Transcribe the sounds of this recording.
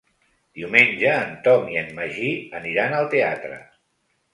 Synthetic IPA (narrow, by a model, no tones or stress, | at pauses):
d̪̥iumend͡ʒəːnt̪ɔmiənməʒiəniɾanəlˠt̪eat̪ɾə̰